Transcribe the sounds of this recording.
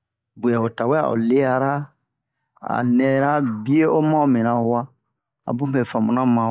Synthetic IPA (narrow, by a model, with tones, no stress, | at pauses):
bu˨ja˨o˨ta˨wɛ˦a̰˨o̰˨le˦ja˦ɾa˦ | a̰˨nɛ˦ɾa˦bi˦e˦o˦mã˦o˦mĩ˨na˨˦wa˦ | a̰˨bũ˦bɛ˨fã˨mũ˨nã˦mã˨